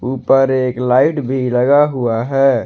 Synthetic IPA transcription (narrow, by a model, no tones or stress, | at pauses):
uːpəɾeːklaːɪʈbʱiləɡaɦuaɦɛ